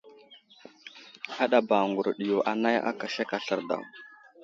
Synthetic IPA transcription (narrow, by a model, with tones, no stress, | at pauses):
a˦ɗa˨ba˨ŋɡu˨ɾɗi˨jo˨ʔa˨na˦ja̰˦ka˨ʃe˦ka˨ɬə˨ɾda̰˨w